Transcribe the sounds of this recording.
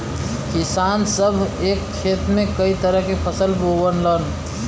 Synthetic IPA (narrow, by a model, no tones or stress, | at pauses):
kisansəbʱekːʰet̪mekəit̪əɾəɦkepʰəsəlbowənlən